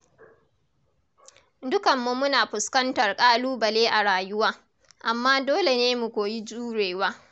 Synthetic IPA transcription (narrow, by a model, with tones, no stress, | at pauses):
dʊ˦kɐ˨mːu˦mʊ˦naː˨ɸʊ˨skɐ˦ntɐ˨rkʼaː˦luː˦bɐ˨leː˦ʔa˨ɽaː˨jʊ˦waː˦ | ʔa˨mːaː˦doː˦le˨neː˦mu˨kʷoː˨ji˦d͡ʒuː˦ɽeː˨waː˦